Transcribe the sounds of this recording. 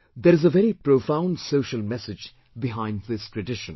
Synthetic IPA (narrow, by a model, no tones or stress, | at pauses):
d̪əɾɨzəvɛɾipɾoːfãʊ̃nɖsoːʃəlmɛsɪd͡ʒ | bɪɦãɪ̃ndðɪstʰɹəɖɪʃə̃n